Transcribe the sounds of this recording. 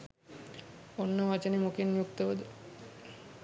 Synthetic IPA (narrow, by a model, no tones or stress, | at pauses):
onːəʋɐt͡ʃənemukenjukt̪əʋəd̪ə